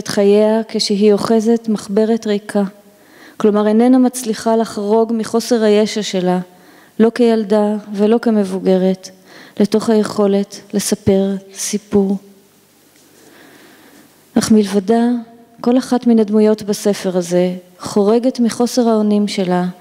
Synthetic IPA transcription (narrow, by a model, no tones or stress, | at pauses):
tχaje̞akeʃeɦio̞χe̞ze̞tmaχbe̞ʁetʁejkʰa | klo̞maʁenenamat͡sliχalaχʁo̞ɡmiχo̞se̞ʁaje̞ʃaʃe̞la | lo̞kejaldave̞lo̞ke̞me̞vuɡe̞ʁe̞t | le̞to̞χhaje̞χo̞le̞tle̞sape̞ʁsipuʁ | ʔaχmilvada | ko̞laχatminadmujo̞tbase̞fe̞ʁaze̞χo̞ʁe̞ɡe̞tmiχo̞se̞ʁhaonimʃe̞la